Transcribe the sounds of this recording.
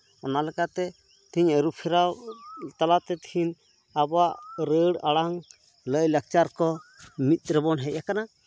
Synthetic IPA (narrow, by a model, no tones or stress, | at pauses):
ɔnalɛkat̪ɛ | t̪iɲəɾupʰɛɾawt̪alat̪ɛt̪hin | abaʔɾəɽaɽaŋ | ləjlək̚t͡ʃaɾkɔmit̪̚ɾɛbɔnɦɛʔʔakana